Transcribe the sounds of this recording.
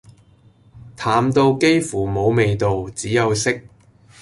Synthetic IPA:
t̪ʰaː˨˥mt̪o˧wke˥jfuː˨˩mo˨˧wme˨jt̪o˨wt͡siː˨˥jɐ˨˧wsɪ˥k̚

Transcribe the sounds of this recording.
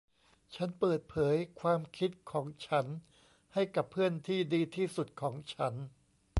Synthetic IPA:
t͡ɕʰa˦˥npɤː˨˩t̪̚pʰɤː˩˦jkʰwaː˧mkʰi˦˥t̪̚kʰɔː˩˦ŋt͡ɕʰa˦˥n | ha˥˩jka˨˩pʰːɯ˥˩ənt̪ʰiː˥˩diː˧t̪ʰiː˥˩su˨˩t̪̚kʰɔː˩˦ŋt͡ɕʰa˦˥n

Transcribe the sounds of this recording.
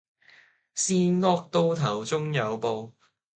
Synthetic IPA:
siː˥nŋɔː˥k̚t̪o˥wt̪ʰɐ˨˩wt͡sʊ˥ŋjɐ˨˧wpo˧w

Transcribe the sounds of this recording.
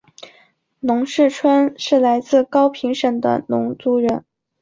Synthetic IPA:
nʊ˧˥ŋʂɻ̩˥˩ʈ͡ʂʰwə˥nʂɻ̩˥˩la˧˥ɪt͡sɹ̩˥˩kɑ˥ʊpʰi˧˥ŋʂə˨˩ŋd̪ə̰˦nʊ̰˧˥ŋt͡su˧˥ɻə˧˥n

